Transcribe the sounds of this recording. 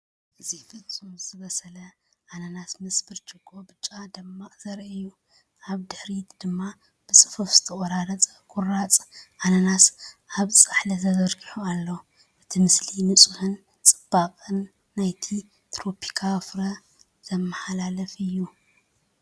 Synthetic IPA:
ʔʔɨzibɨt͡sʼuzɨβɐsɐlɐ | ʔanɐnat̪mɨsbɨɾt͡ʃʼɨɡʼobɨt͡ʃʼad̪ɨmːaʔz̥ɐɾʔɨju | ʔaβd̪ɨħɾit̪d̪ɨmːa | b̥ɨt͡sʼɨ̥fufz̥ɨ̥t̪ʰɐʔʼɐɾaɾɐt͡sʼɐkʰʼʊrat͡sʼʔanɐnat̪ʔaβt͡sʼaħlɐzɐzɐɾɡiħualːo | b̥ɨt̪ʰimɨslinɨt͡sʼuhɨn | t͡sʼɨ̥b̥aqʼɨnː | ajt̪ʰi | t̪ʰɾo̞pʰi̥kʰafɾɐ | zɐmɐħalalɐfɨjːu

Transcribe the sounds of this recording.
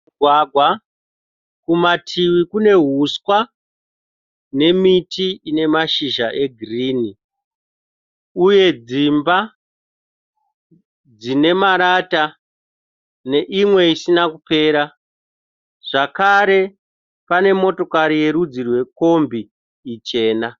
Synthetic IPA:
waːɡʱwa | kumatʰiwikune̞ɦuskwa | ne̞mitiine̞maʃiʒaʔe̞ɡʱiriːni | uje̞d͡zimba | d͡zine̞maɾata | ne̞ʔimwe̞isinakupe̞ːɾa | ʐ̥akaɾe̞ | pane̞mo̞to̞kaɾije̞ɾud͡zirwe̞ko̞mbiː | t͡ʃe̞ːna

